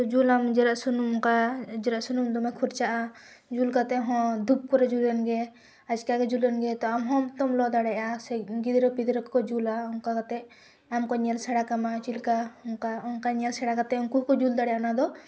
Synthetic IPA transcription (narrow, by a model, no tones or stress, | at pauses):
t̪ɔd͡ʒulamd͡ʒɛɾaʔsunumkad͡ʒɛɾaʔsunumd̪ɔmɛ̃kʰuɾt͡ʃaʔa | d͡ʒulkat̪ɛɦɔ̃d̪up̚kɔɾɛd͡ʒulɛnɡɛ | ad͡ʒkakɛd͡ʒulɛnɡɛt̪ɔamɦɔ̃mt̪ɔmlɔd̪aɽɛasɛɡid̪ɾɔpid̪ɾɔkkɔd͡ʒulaɔŋkakat̪ɛ | amkɔɲɛlsɛɽakamat͡ʃilkaɔŋkaɔnkaɲɛlsɛɽakat̪ɛɔŋkuɦkɔd͡ʒuld̪aɽɛanad̪ɔ